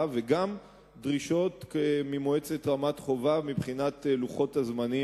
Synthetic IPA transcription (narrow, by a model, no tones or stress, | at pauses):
veɡam | dʁiʃo̞tkemimoet͡setʁamatχo̞vamibχinat̪eluχo̞tazmani